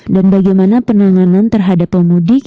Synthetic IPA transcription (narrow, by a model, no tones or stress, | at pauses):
danbaɡajmanapənaŋanant̪ərɦadapːəmudi